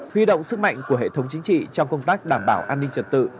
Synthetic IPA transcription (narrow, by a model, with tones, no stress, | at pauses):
hwi˧ɗo̰˧˨wŋ͡msɨ˦˥k̚ma̰˧˨jŋ̟ku˧˩əhḛ˧˨t̪ʰə˨˦wŋ͡mt͡ɕï˨˦ŋ̟t͡ɕḭ˧˨t͡ɕɔ˧wŋ͡mkə˧wŋ͡mt̪aː˦˥k̚ɗaː˧˩mɓaː˧˩wʔaː˧nːï˧ŋ̟t͡ɕə˨˩t̚t̪ɨ̰˧˨